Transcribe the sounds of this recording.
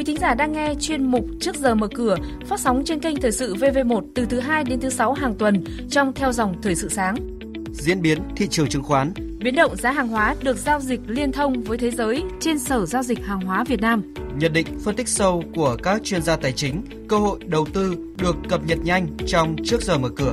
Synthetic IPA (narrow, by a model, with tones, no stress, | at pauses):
ki˨˦t̪ʰï˨˦ŋzaː˧˩ɗaː˧ŋːɛ˧t͡ɕwi˧ənmʊ˨˩k͡p̚t͡ɕɨ˦˥ək̚zəː˨˩məː˨˩kɨ˧˩ə | faː˦˥t̚sa˨˦wŋ͡mt͡ɕe˧nkə˧jŋ̟t̪ʰəː˨˩jsɨ̰˧˨ve˧ve˧mo˨˩t̚t̪ɨ˨˩t̪ʰɨ˨˦ɦaː˧jɗe˨˦nt̪ʰɨ˨˦sa˨˦wɦaː˨˩ŋt̪wə˨˩n | t͡ɕɔ˧wŋ͡mt̪ʰɛ˧wzɔ˨˩wŋ͡mt̪ʰəː˨˩jsɨ̰˧˨saː˨˦ŋ | zḭ˧˥ənɓi˨˦ənt̪ʰḭ˧˨t͡ɕɨ˨˩əŋt͡ɕɨ˨˩˦ŋxwaː˨˦n | ɓi˨˦ənɗə̰˧˨wŋ͡mzaː˨˦ɦaː˨˩ŋɦwaː˨˦ɗɨ˨˩ək̚zaː˧wzï˨˩k̟̚li˧ənt̪ʰə˧wŋ͡mvəː˨˦jt̪ʰe˨˦zəː˨˦jt͡ɕe˧nsəː˧˩zaː˧wzï˨˩k̟̚haː˨˩ŋɦwaː˨˦vi˨˩ət̚naː˧mɲə̰˧˩n̚ɗḭ̈˧˨ŋ̟fə˧nt̪ï˥k̚sə˧wku˧˩əkaː˦˥k̚t͡ɕwi˧ənzaː˧t̪aː˨˩jt͡ɕï˨˦ŋ̟ | kəː˧ho̰˧˨jɗə˨˩wt̪ɨ˧ | ɗɨ˨˩əkːə˨˩p̚ɲə˨˩t̚ɲa˧jŋ̟t͡ɕɔ˧wŋ͡mt͡ɕɨ˦˥ək̚zəː˨˩məː˨˩kɨ˧˩ə